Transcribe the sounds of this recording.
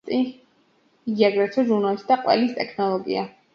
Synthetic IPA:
t̪ʼi | ɡiaɡɾɛt̪sʰɔʒuɾnɔisd̪aqʼwɛ̰list̪ʼɛkʰnɔlˠɔɡḭa

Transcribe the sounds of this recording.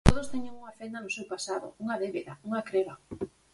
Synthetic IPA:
t̪oð̞ost̪ɛɲeŋuŋafend̪anʊsewpasaðʊ̰uŋaðeβeðauŋakɾeβa

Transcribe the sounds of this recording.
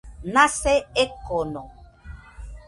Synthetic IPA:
nasɛekɔnɔ

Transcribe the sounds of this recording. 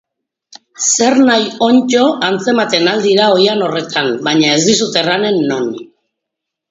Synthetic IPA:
se̞ɾnajo̞nt͡ʃo̞ʔant͡se̞mat̪e̞nald̪iɾao̞jano̞re̞t̪ambajɲae̞zd̪isut̪e̞rane̞nːo̞n

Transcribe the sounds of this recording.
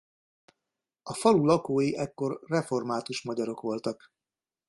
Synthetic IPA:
ɒfɒlulɒkoːjiʔɛkːo̞rːɛfo̞rmaːt̪uʃmɒɟɒɾo̞kʋo̞lt̪ɒk

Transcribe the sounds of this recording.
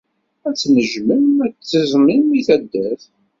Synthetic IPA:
æt͡sːnəʒmənæt͡sːəzminmiθæd̪ːæθ

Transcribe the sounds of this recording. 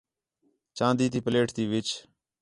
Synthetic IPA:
t͡ʃãːnd̪iːt̪iːpəleːʈt̪iːʋɪt͡ʃ

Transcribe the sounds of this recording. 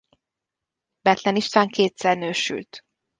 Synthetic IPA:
bɛt̪lɛniʃt̪aːŋkʰeːt̪sɛrnøːʃy̰lt̪

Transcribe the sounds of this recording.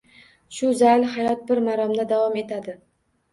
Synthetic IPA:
ʃʊzajlhajɒt̪̚bɪɾmaɾɒmd̪ad̪avɒme̞t̪ʰad̪ɪ

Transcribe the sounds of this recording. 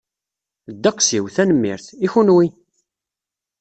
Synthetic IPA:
d̪ːɑqsiwθænəmːḭɾθiçunwi

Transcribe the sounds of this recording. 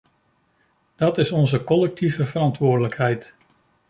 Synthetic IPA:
d̥ɑtɪsɔnzəkɔlɛk̚tʰivəvəɾɑntʋʊːɹdələkɦɛjt

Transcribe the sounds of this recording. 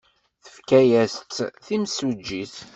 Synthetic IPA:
θəfkæjæst̪θimsud͡ʒːiθ

